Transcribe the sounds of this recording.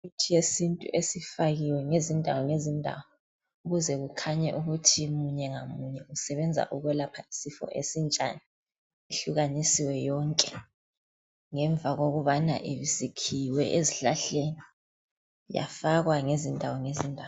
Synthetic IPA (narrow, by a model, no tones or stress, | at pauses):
utʰijesintʼṵʔesifaɣiwɛŋezindʱawɔŋezindʱa̰wɔ | uɣuzɛɣukʰaɲɛʔuɣutʰimuɲɛŋamuɲɛusɛβɛnd͡zʱa̰ʔuɣɛlapʰaisifɔ̰ʔḛsint͡ʃʼa̰ni | eɬuɣanisiwɛjɔŋkʼɛ | ŋɛɱb̪vʱaɣoɣuβana̰ʔiβizikʰiwɛʔeziɬaɬeni | ja̰faɣwaŋezindʱawɔŋezindʱaw